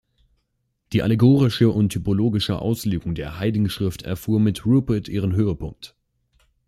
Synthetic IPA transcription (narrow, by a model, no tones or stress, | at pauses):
d̥iːʔa̰leɡoːʁ̞ɪʃəʔʊnthypoloːɡɪʃə̰ʔa̰ʊsleːɡʊŋdeːɐɦaɪdɪɡŋ̩ʃʁ̥ɪftʰɛ̰ɐfuːɐmɪtʁuːbətʰʔiːʁ̞ənɦøːəpʰʊŋk̚t